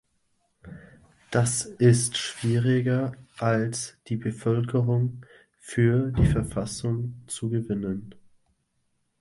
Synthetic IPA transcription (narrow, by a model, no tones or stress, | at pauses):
d̥asɪstʃv̥iːʁɪɡɐʔalsd̥iːbəfœlkʰəʁʊŋ | fyːɐdiːfɛɐfasʊŋt͡suɡəvɪnən